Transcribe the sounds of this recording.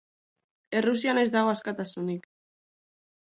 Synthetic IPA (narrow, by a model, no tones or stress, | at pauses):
e̞rusiane̞zd̪aɣo̞askat̪asunik